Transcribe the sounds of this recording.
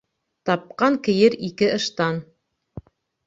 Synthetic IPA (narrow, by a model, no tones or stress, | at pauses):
t̪ɑp̚qɑŋkɘ̆jɘɾikɘʔɤ̆ʃt̪ɑn